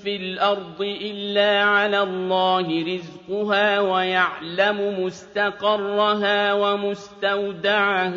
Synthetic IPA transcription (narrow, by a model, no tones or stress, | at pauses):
filʔɑɾˤd̪ˤɨʔɪlːaːʕalaːlˤːɑːhɪɾɪzqʊɦaːwajaʕlamʊmʊst̪aqɑrˤːɑɦaːwamʊst̪awd̪aʕah